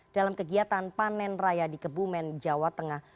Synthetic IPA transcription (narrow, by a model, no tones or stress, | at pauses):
d̥alamkəɡiat̪anpanɛnrajadikəbumɛnd͡ʒawat̪əŋah